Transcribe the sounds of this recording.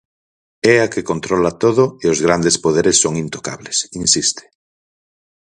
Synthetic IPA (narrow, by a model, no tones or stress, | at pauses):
ɛakekont̪ɾolat̪oðoeozɣɾand̪espoðeɾesːoŋint̪oka̰βlesinsist̪e̥